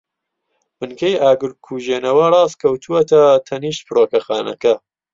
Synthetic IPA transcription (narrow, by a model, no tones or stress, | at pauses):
bɨnkɐjʔaːɡɨɾkʰuːʒeːnɐwɐrˤɑːskʰɐwt̪ʰuwɐt̪ɐt̪ʰɐniːʃt̪̚pɨɾoːkɐxaːnɐ̰kɐ